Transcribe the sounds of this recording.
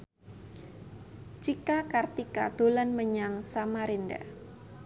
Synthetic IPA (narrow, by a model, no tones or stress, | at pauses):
t͡ʃikakart̪ikad̪̥olanməɲaŋsamaɾinda̰